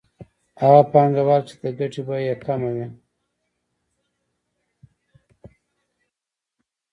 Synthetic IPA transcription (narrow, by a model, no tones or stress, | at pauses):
haɣapɑŋɡawaɾt͡ʃe̥d̪əɡaʈibajakamawi